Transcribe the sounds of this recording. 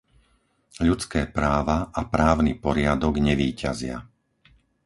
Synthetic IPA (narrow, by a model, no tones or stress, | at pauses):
ʎut͡skɛːpɾaːʋaʔapɾaːʊnipɔɾɪad̪ɔɡɲɛʋiːcazɪa̰